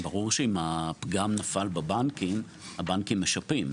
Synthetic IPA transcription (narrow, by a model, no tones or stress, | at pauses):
baʁuʁʃeimapɡamnafalbabankim | habankimːeʃapim